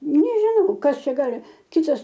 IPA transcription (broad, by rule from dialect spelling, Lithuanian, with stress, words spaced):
nʲɛʒʲɪˈnɐʊ ˈkɐs ˈt͡ʃʲɛ ˈɡɑːlʲɪ ˈkʲɪtɐs